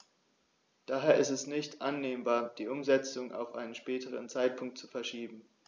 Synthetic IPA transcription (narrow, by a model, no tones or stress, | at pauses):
d̥aːɦeːɐɪstɛsnɪçtʔanːeːmbaːɐd̥iːʔʊmzɛt͡sʊŋʔa̰ʊfʔa̰ɪnənʃpɛːtəʁə̰nt͡saɪt̚pʰʊŋk̚tt͡sufɛɐʃiːbm̩